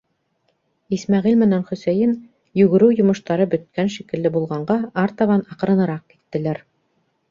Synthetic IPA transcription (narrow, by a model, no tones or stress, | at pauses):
ismæʁilmɘ̆nænχɵ̆sæjɘn | jʉɣɘ̆ɾɘwjŏmɤ̆ʃt̪ɑɾɤbɵ̆t̪̚kænʃikɘ̆lːɘbulˠʁɑɴɢɑɑɾt̪ɑβɑnɑqɤ̆ɾɤ̆nɤ̆ɾɑq̚kit̪ːɘ̆læɾ